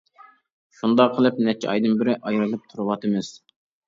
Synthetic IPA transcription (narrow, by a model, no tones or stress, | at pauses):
ʃund̪ɑqʰəlˠɨp̚nɛt͡ʃʰːɛɑ̰jd̪ɨnbɪɾɪʔɑjɾɨlˠɨp̚t̪ʰuɾɨwɑt̪ʰɨmɨz̥